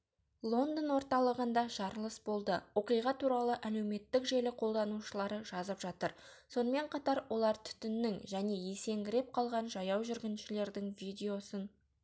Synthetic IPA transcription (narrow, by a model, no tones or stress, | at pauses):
lˠo̞nd̪ənwo̞ɾt̪ɑlˠəʁənd̪ɑʒ̥ɑɾəlˠəsbo̞lˠd̪əwo̞qijʁɑt̪ʰuɾɑlˠəʔæle̞wme̞t̪ːɪkʒe̞lɪqʰo̞lˠd̪ɑnuʃəlˠɑɾəʒɑzəpʒɑt̪əɾso̞nəme̞ɴqʰɑt̪ɑɾwo̞lˠɑɾt̪ʰʏ̥t̪ɪnːɪŋʒæne̞je̞se̞ŋɡʲɪɾe̞p̚qʰɑlˠʁɑnʒɑjɑwʒʏɾɡʲɪnʃɪle̞ɾd̪ɪŋvijd̪ʲe̞o̞sən